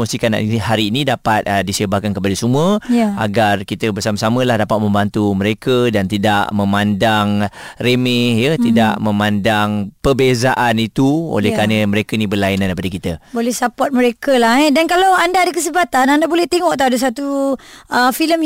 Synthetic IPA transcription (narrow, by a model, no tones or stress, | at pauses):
ɔnsikana̰ʔhaɾiːnĩdapat̪̚disəbakankəpadəsumuəja̰ɡarkit̪əbərsaməsamə̃lahdapat̪̚mə̃mbant̪uməɾekədant̪ida̰ʔmə̃mandaŋremɛhjəida̰ʔmə̃mandaŋpəbezaʔanit̪uo̰lɛhkaɾanəməɾekəinĩbərlainandapadakit̪əbolɛhsapɔt̪̚məɾekəlahɛdankalawandaːdəkəs̬əbat̪anandabolɛht̪eŋɔʔt̪adəs̬at̪uəfiləm